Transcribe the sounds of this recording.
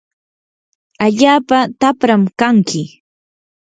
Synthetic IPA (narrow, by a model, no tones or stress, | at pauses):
aʎaːpat̪apɾamkaŋkɪ